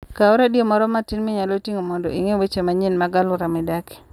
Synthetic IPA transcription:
kaɔɾadjomɔɾɔmatinmɪɲalotiŋomɔndɔiŋewet͡ʃemaɲɪnmaɡalʊɾamɪdakɪ̥

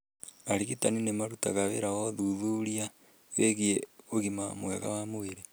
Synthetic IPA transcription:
aɾiɣitaninemaɾutaɣaβḛɾawoðuðuɾia | βeɣieoɣimamw̰ḛɣa̰wamoiɾe

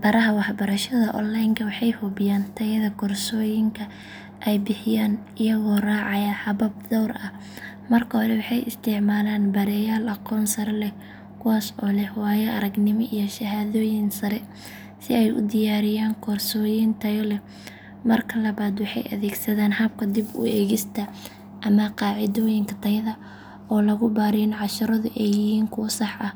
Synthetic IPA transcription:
b̥ɐɾɐɦɐwɑħbɐɾɐʃɐðɐʔɔ̰nlajŋkʰɐwɑħɑjhʊbɪjaːnt̪ʰɐjɐðɐkʰɔrsɔːjɪŋkʰɐ | ʔɛjbɪħɪjaːn | ɪjɐɣɔːraːʕɑjɐħɑβɐb̚d̪ɔwrɐ | mɐrkʰɐhɔlɛwɑħɑjɪ̰st̪ʰɪʕmaːlaːnbɐɾɛjaːlʔɐqɔːnsɐɾɛlɛ | kʰʊwaːsɔːlɛhwaːjɛʔɐɾɐɡnɪmɔʔijɔʃɐɦaːðɔːjɪnsɐɾɛ | sɪ̰ɛjʔʊ̰d̪ɪjaːɾɪjaːŋkʰɔrsɔːjɪnt̪ʰɐjɔlɛ | mɐrkʰɐlɐβaːd̪wɑħɑ̰jʔɐ̰ðɛːɡsɐðaːnhɐb̚kʰɐd̪ɪbʊ̰ɛːɣɪst̪ʰɐ | ʔɐmɐqɑːʕɪðɔːjɪŋkʰɐt̪ʰɐjɐðɐ | ɔːlɐɣʊbaːɾinʕɑʃɐɾɐðʊʔɛjjɪɦiːŋkʰʊwɐsɑħʔɐ

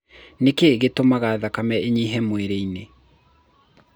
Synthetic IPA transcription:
nekeɣetomaɣaðakamɛeɲiɦɛmweɾeine

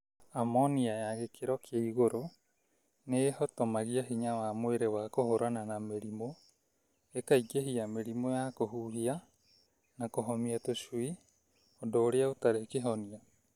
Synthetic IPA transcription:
amɔniajaɣekʰeɾɔkʰeaiɣoɾo | nehɔtomaɣiaɦiɲawamweɾewakohoɾananameɾimo | ekaiɡeɦiameɾimojakoɦuɦia | nakoɦɔmiatoswi | ɔdoːɾeaotaɾekeɦɔnia

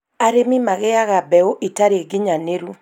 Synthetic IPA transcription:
aɾemimaɣɛaɣabɛoʔitaɾeɡɪɲaneɾu

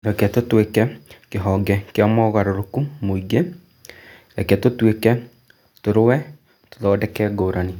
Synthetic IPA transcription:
ɾɛkɛtotwekɛkeɦɔɡɛkeamɔːɣaɾoɾokumoiɡe | ɾɛkɛtotwekɛ | toɾowɛ | to̥ðɔːdɛkɛɡoːɾʔane

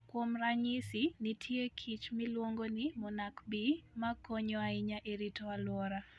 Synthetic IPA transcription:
kwomraɲisinitʰjekʰit͡ʃmɪlwoŋɡonɪmɔnakbimakoɲɔaɪɲaʔeɾitɔalwɔɾa

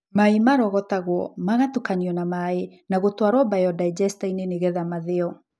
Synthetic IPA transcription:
maimaɾɔɣɔtaɣwɔmaɣatukaɲiɔnamaenaɣotwaɾwɔbajɔdaid͡ʒɛstaineneɣɛðamaðeɔ

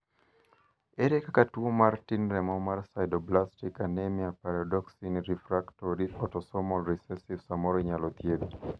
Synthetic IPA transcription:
eɾekakatuomartinɾɛmɔmarsajdɔblastikanɛmiapaɾadɔksinɾifɾaktɔɾiɔtɔsɔmɔlɾisɛsivsamɔɾiɲalɔt̪jebi

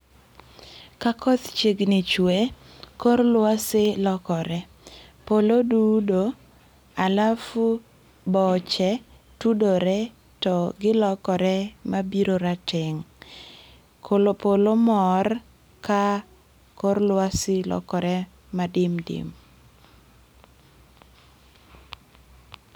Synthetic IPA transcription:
kakɔt̪t͡ʃeɡnɪt͡ʃwe | korlwasɪlɔkɔɾɛ | polodudo | alafu | bɔt͡ʃɛ | tudoɾɛ | tɔɡɪlɔkɔɾɛmabiɾoɾatɪŋ | kʰolopolomɔr | ka | koɾlwasɪlɔ̰kɔɾɛ | madɪmdɪ̰m

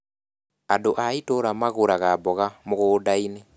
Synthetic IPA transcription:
adoʔaitoɾamaɣoɾaɣabɔɣamoɣoːdaine

